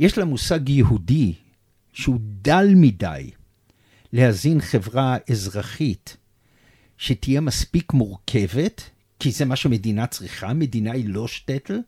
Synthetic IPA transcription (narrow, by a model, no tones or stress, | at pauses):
jeʃlamusaɡjehudi | ʃeudalmida̰j | lehazinχe̞vʁaezʁaχit | ʃetije̞maspikmuʁkʰe̞ve̞t | kizemaʃeme̞dinat͡sʁiχame̞d̪inailo̞ʃtet̪l̩